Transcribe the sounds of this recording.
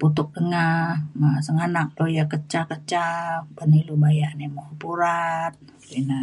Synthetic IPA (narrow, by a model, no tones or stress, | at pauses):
put̪ʊk̚dəŋahmasəŋanak̚dojakət͡ʃakət͡ʃabənilubajaʔnemohpuɾat̪̚ | luina